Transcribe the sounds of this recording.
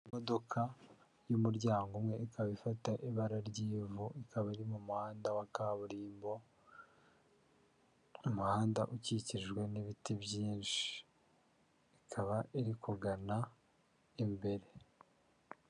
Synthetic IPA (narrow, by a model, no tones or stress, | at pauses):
imo̞do̞kʰa | jumuɾɟaːŋɡumŋe̞ʔikʰaβaifataʔiβaɾaɾɟiːvuikʰaβaiɾimumuhaːndawakaβuɾiːmbo̞ | umuhaːndaʔuciciʒɡwe̞niβitibjiːnʃi̥ | kʰaβaiɾikuɡana | imbe̞ɾe̞